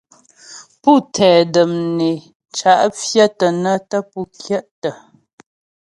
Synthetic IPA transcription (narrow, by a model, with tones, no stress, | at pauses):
pu˦˨tʰɛː˨də˨mne˨ | t͡ʃa˨ʔfjə˦tə˨nə˦tə˦pu˦˨kʰjɛ˦ʔtə˨